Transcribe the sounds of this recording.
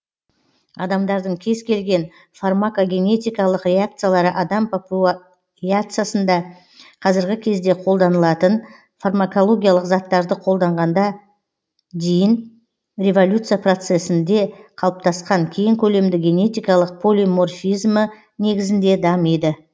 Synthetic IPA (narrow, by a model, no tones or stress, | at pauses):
ɑd̪ɑmd̪ɑɾd̪əɴkʲʰe̞zkʲʰe̞lɡʲe̞n | farmakoɡʲe̞ne̞t̪ijkɑlˠəqrʲe̞ak̚t̪sɨjalˠɑɾəʔɑd̪ɑmppu | iak̚t̪sɨjasənd̪ɑ | qʰɑzɪɾɡʲɪkʲʰe̞zd̪e̞qʰo̞lˠd̪ɑnəlˠɑt̪ən | farmako̞lˠo̞ɡʲijalˠəqzɑt̪ːɑɾd̪əqʰo̞lˠd̪ɑɴʁɑnd̪ɑ | d̪ejɪn | rʲe̞vo̞lʲut̪sɨjapro̞t̪se̞sɪnd̪e̞qʰɑlˠəp̚t̪ʰɑsqɑŋkʲʰe̞jɪŋkʲʰɵle̞md̪ɪɡʲe̞ne̞t̪ijkɑlˠəq̚pʰo̞lʲimo̞rfizmə | ne̞ɡʲɪzɪnd̪e̞d̪ɑmejd̪ə